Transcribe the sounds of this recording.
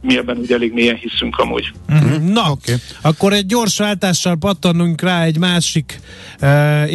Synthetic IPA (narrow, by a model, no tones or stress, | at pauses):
miɛbɛnuːɟɛleːɡmeːjɛnhisyŋkʰɒmṵːɟ̥̩nɒɒkːoɾɛɟ̚ːo̞ːrʃʋaːlt̪aːʃːɒlpɒt̪ːɒnuŋkraːɛɟmaːʃikː